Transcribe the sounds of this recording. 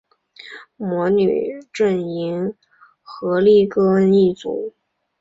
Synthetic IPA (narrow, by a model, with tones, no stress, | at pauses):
mwɔ˧˥ny̰˨˩ʈ͡ʂə˥˩ni˧˥n | xɤ˧˥li˥˩kɤ˥ni˥˩t͡sṵ˨˩˦